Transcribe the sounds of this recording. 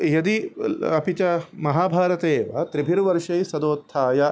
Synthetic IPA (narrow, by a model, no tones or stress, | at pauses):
jɐd̪iɐpit͡ʃɐmɐɦaːbʱaːɾɐt̪eːʋɐ̰t̪ɾibʱiɾʋɐɾʂɐjsɐd̪oːt̪ʰːaːjɐ